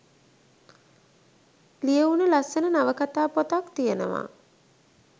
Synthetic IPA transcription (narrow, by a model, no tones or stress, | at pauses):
lijeunəlasənənaʋəkat̪aːpot̪akt̪ijənə̰ʋa̰ː